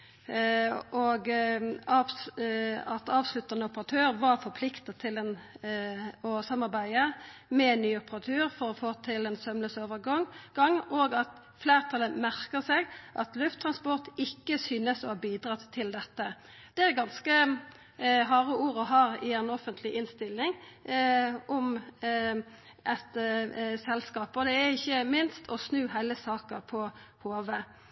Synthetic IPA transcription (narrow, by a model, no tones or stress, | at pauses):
ɔɡɑ | ɑt̪ɑːʋslʉt̪ːɑnəɔpəʁɑt̪ʰøːɾʋɑɾfɔɾpʰlɪkt̪ɑt̪ʰɪld̪ɛn | ɔsɑmːɑɾbæɪəmɛɛnːyːʊpəʁɑt̪ʰʉːɾfɔɾɔfoːt̪ʰɪlɛnsœmləsoːʋəɾɡɑŋɡɑŋːʔoːɡɑt̪ | fleːʁt̪ʰɑləmæʁkəsɛɡʔɑ̰t̪lʉft̪ʰːɾɑnspɔʁt̪ɪkːəsyːnəsɔhɑbiːd̪ʁɑt̪ʰːɪld̪ɛt̪ːə | d̪̥ɛæʁɡɑnskə | ɦɑːʁəuːɾɔɦɑːɾɪɛnɔfənt̪ʰlɪʔɪnst̪ɪlːɪŋ | ʔɔm | ʔɛt̪sɛlskɑːpɔd̪ɛæʁɪçːəmɪnst̪ʰɔsnʉːɦæɪləsɑːkɑpʰɔ | hoːʋə